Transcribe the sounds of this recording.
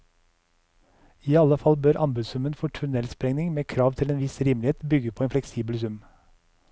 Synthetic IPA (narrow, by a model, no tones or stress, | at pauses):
iːɑləfɑlbøːɾʔɑmbʉsʉmənfɔːʈʰʉnɛlspɾɛŋnɪŋmeːkʰɾɑːʋt̪ʰɪleːnʋɪsɾiːmlɪeːt̪bʏɡəpʰoːeːnflɛksiːbəlsʉm